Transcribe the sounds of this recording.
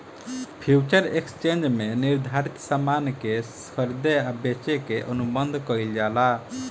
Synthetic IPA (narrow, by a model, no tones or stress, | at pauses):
pʰjut͡ʃəɾekst͡ʃend͡ʒmeniɾd̪ʱaɾit̪samankeskʰəɾd̪eabet͡ʃekeʔənubənd̪ʱkəild͡ʒala